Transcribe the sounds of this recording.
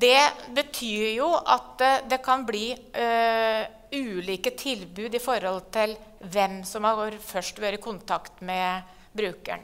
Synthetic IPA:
d̪ɛbət̪ʰyːɾjʊʔɑ̰t̪d̪ɛkʰɑnbliː | ʉːliːkət̪ʰɪlbʉːd̪ɪfɔɾhɔlt̪ʰɪl | ʋɛmsɔmhɑoɾfœʂʈʋøːɾəəkʰʊnt̪ʰɑkt̪mɛ | bɾʉːkæ̰ɳ

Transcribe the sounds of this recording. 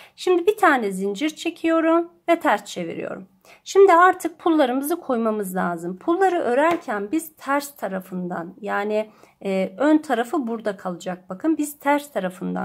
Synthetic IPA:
ʃimd̪ibit̪ʰaːnɛzind͡ʒiɾt͡ʃʰe̞cʰijo̞ɾumvɛt̪ʰæɾst͡ʃʰe̞vḭɾḭjo̞̰ɾum | ʃimd̪iaɾt̪ʰɯk̚pʰulˠːaɾɯmɯzɯkʰo̞jmamɯzlʲaːzɯmpʰulˠːaɾɯʔø̞ɾæɾcʰænbiz̥t̪ʰæɾst̪ʰaɾafɯnd̪anjaːni | ønt̪ʰaɾafɯbuɾd̪akʰalˠɯd͡ʒak̚bakʰɯnbiz̥t̪ʰæɾst̪ʰaɾafɯnd̪a̰n

